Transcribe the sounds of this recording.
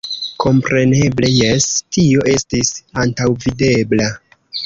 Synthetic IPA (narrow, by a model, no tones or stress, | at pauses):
kʰo̞mpɾe̞ne̞ble̞jestio̞ʔe̞stisantawvide̞bla